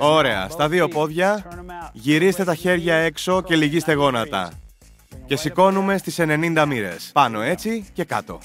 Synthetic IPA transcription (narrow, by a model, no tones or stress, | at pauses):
o̞ɾe̞ɐ̰st̪ɐðio̞po̞ðʝɐ | ʝiɾist̪e̞t̪ɐçe̞ɾʝɐe̞kso̞ce̞liʝist̪e̞ɣo̞nɐt̪ɐ̰ | ce̞siko̞nume̞st̪ise̞ne̞nind̪ɐmiɾe̞̰spɐno̞e̞t͡sice̞kɐ̰t̪o̞̰